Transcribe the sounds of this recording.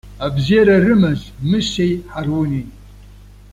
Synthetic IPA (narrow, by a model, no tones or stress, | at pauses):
abziɾɐrɨmɐzmɨsejħarwʊnin